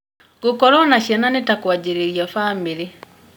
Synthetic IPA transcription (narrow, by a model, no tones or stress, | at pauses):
ɡokɔɾɔnaɕɛnanetakwad͡ʑeɾeɾiafaːmiɾe